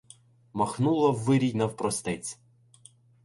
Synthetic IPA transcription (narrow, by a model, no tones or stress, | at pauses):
mɐxnulˠɐwːɪɾʲijnɐwpɾɔst̪ɛt͡sʲ